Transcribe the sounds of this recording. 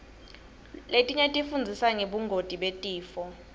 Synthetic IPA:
letʼiɲetʼifund͡zʱisaŋeɓuŋɡʱotʼiɓetʼiːfɔ

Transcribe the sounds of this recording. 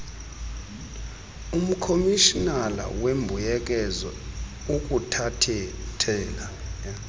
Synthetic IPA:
um̩kʰomiʃinala̰wembʱujɛk̬ʼɛzɔ | uk̬ʼutʰatʰɛtʰɛːla

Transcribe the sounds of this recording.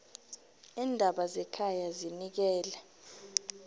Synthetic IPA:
iːndʱaɓazɛkʰajazinik̬ɛːlɛ

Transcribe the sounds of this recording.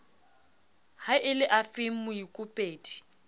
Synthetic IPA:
haʔɪlɪʔafɪm̩mʊikʼʊpʼeːtʼi̥

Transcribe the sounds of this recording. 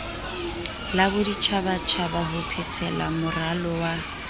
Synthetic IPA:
labʊdit͡ʃʰaβat͡ʃʰabaɦʊpʰɛt͡sʰɛla̰mʊralɔwa

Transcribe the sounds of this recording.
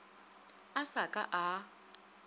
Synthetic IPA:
asakʼa̰ʔa

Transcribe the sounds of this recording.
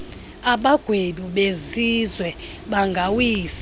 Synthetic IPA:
aɓaɡ̥ʱweɗuɓezizwɛ | ɓaŋɡʱawiːs

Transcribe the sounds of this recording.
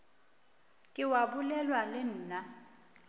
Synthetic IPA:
kʼɪwabulɛlwalɪn̩ːna

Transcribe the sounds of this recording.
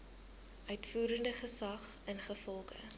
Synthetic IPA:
ʔœɥtfuːɾəndəχəsɐχənχəfɔlˠχə̰

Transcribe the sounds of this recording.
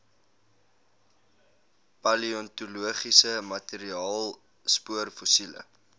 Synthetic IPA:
pɐliɔntuluəχisəmɐteɾiɑːlˠ | spuərfusilə̰

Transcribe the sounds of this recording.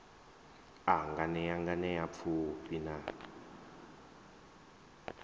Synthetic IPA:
aŋɡanɛjaŋɡanɛjap̪fʰupina

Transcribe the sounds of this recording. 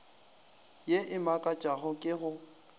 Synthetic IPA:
jeʔɪmakʼat͡ʃʼaɣʊkʼɪɣʊ

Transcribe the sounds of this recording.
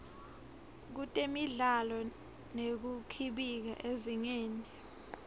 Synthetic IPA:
k̬utʼemiɮalɔ | nek̬ukʰiɓik̬a̰ʔeziŋeːni

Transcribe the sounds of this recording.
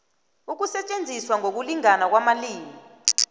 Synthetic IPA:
uk̬usɛt͡ʃʼend͡zʱiswaŋok̬uliŋanak̬wamaliːmi

